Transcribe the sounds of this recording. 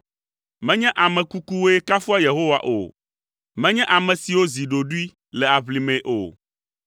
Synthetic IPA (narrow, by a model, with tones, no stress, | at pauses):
mɛ̃˦ɲɛ̃˦ʔa˨mɛ̃˨ku˦ku˦wo˦e˦ka˦fu˦a˦je˨ɦo˦wa̰˨ʔo̰˨ | mɛ̃˦ɲɛ̃˦ʔa˨mɛ̃˨si˨wo˦zi˨ɖo˨ɖu˦i˦ | lɛ˨a˨βli˨mɛ̃˨ʔo̰˨